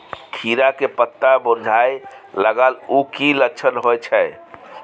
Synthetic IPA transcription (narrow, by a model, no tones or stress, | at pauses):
t̪ʰiɾakepət̪ːaboɾd͡ʒʱaj | ləɡəlukiləkt͡ʃʰənɦojt͡ʃʰɛ